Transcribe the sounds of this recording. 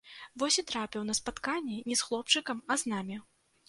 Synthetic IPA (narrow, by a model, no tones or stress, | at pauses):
vɔsʲit̪ɾapʲiwnɐspat̪kanʲːɛnʲɛsxlˠɔp̚t͡ʂɨkɐmɐznamʲi